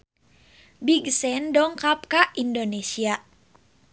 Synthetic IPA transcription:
biɡsɛndɔŋkap̚kaʔindonesia

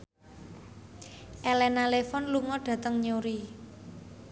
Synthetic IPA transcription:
ʔɛlɛnalefɔnluŋɔɖ̥ä̤t̪əŋɲoɾi

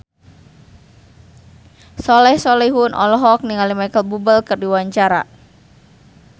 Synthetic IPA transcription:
sɔlɛhsɔlɛɦunʔɔ̰lɔɦɔk̚niŋalimajkəlbubəlkɨrdiwaɲt͡ʃaɾa̰

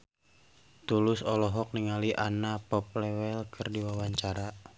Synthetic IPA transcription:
t̪ulʊsɔlɔɦɔk̚niŋaliʔanapɔp̚lɛwɛlkʰɨrdiwawaɲt͡ʃaɾa

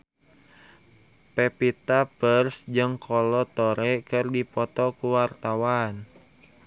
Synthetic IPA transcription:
pɛpit̪apərsd͡ʒɨŋkʰɔlɔt̪ɔɾɛkɨrdipɔt̪ɔkuwart̪awan

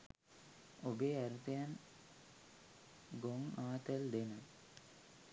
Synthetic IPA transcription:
obeːæɾut̪ejan | ɡoŋaːt̪əld̪enə

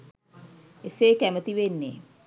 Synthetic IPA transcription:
eseːkæmət̪iʋenːḛ

